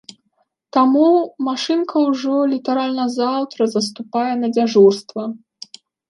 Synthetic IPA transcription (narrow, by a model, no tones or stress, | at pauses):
t̪amumaʂɨnkʰɐwʐɔlʲit̪aɾalʲnɐzawt̪ɾɐzɐs̬t̪upajɛnɐd͡zʲaʐurst̪vɐ